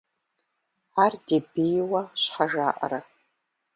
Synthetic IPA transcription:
aːrdebijwaɕħaʒaːʔɐ̰ɾa

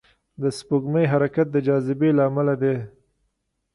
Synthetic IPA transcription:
d̪əspoɡməjɦaɾakat̪̚d̪əd͡ʒɑzɪbelaːmalad̪e

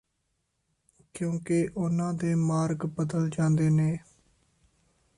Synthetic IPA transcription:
kjõːkeʔʊnãːd̪eːmaːɾɡbəd̪əld͡ʒãːnd̪eːneː

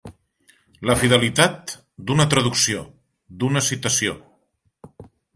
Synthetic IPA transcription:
ləfið̞əlit̪at̪ | d̪unət̪ɾəðuksio | d̪unəsit̪əsio

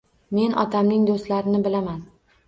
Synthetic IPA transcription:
me̞nʔɒ̰t̪ʰamnɪŋd̪ost̪laɾɪnɪbɪlaman

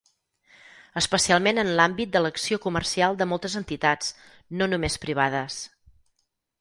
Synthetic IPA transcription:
əspəsialˠmenənlambit̪̚d̪ələksiokumərsialˠd̪əmɔlˠt̪əzənt̪it̪ad͡z | nonumespɾiβ̞aðəs

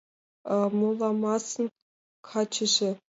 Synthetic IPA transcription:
mulˠːɑmɑsɤ̆n | kʰɑt͡ɕɘ̆ʒĕ

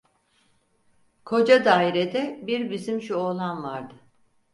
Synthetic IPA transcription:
kʰo̞d͡ʒad̪aːiɾed̪ɛbiɾbizimʃuolˠanvaɾd̪ɯ

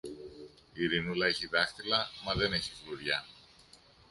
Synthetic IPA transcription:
iɾinulɐe̞çiðɐxt̪ilɐmɐðe̞ne̞çiɣluɾʝɐ

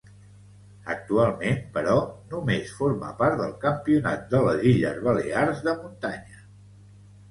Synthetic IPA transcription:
ə̰k̚t̪ualˠmenpəɾɔnumesfoɾmə̰paɾt̪d̪əlˠkəmpiuna̰t̪̚d̪ələziʎə̰zβəlḛarzðəmunt̪aɲə

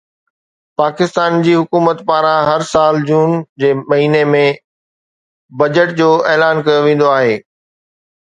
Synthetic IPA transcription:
paːkɪst̪aːnd͡ʑiːɦʊkuːmət̪paːɾãɦɐɾsaːld͡ʑuːnd͡ʑeːmɐɦiːnemẽ | bɐd͡ʑəʈ̚d͡ʑoːʔeːlaːnkɐjoʋẽːn̆d̪oaːɦeː

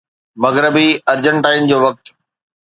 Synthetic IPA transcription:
mɐɣɾəbiɐɾd͡ʑəɳʈaːɪnd͡ʑoːʋɐk̚t̪

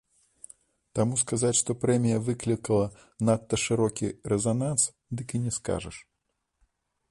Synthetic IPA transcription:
t̪amuskazat͡sʲʂt̪ɔpɾɛmʲijɐvɨklʲikɐlˠɐ | nat̪ːɐʂɨɾɔkʲiɾɛzanans | d̪ɨkinʲɛska̰ʐɐ̰ʂ

